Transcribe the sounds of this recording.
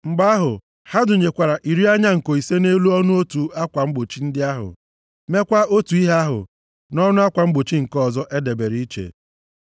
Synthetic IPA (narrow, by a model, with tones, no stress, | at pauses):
ŋ͡m̩˨ɡ͡ba˦a˦ɦʊ˨ | ha˦dʊ˨ɲe˨kʷa˨ɾa˨ʔi˨ɾi˦a˦ɲa˦ŋ̩˨ko˨i˨se˦ne˦lu˦ɔ˦nʊ˦o˦tu˨a˦kʷa˨ŋ͡m̩˦ɡ͡bo˨t͡ʃi˦n̩˦dɪ˦a˦ɦʊ̰˨ | me˦kʷa˦o˦tu˨i˦ɦa˦ɦʊ̰˨ | nɔ˦nʊ˦a˦kʷa˨ŋ͡m̩˦ɡ͡bo˨t͡ʃi˦ŋ̩˨kɔ˦˨zɔ˦ʔe˦de˨be˨ɾi˦i˦t͡ʃḛ˨